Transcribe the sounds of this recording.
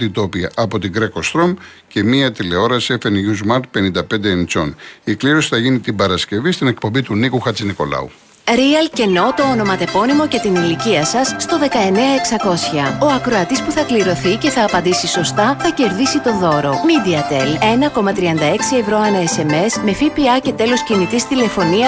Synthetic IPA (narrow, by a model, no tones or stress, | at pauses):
t̪it̪o̞piɐʔɐpo̞t̪iɡɾekost̪ɾom | ce̞miɐt̪ileo̞ɾɐsefenʝuzmɐɾt̪̚pe̞nind̪ɐpnd̪eent͡so̞̰nikliɾo̞si̥θɐʝinit̪ibɐɾɐsce̞vist̪ine̞k̚po̞mbit̪unikuxɐt͡siniko̞lɐ̰u | ɾiɐlce̞no̞t̪o̞ono̞mɐt̪e̞po̞nimo̞ce̞t̪iniliciɐsɐsːt̪o̞ðe̞kɐe̞ne̞ɐe̞ksɐko̞sçɐo̞ɐkɾo̞ɐt̪ispuθɐkliɾo̞θice̞θɐːpɐnd̪isiso̞st̪ɐθɐce̞ɾðisit̪o̞ðo̞ɾo̞mid̪iɐt̪ele̞nɐko̞mɐt̪ɾiɐnd̪ɐe̞ksie̞vɾo̞ɐnɐese̞me̞sme̞fipiɐce̞t̪e̞lo̞scinit̪ist̪ile̞fo̞niɐ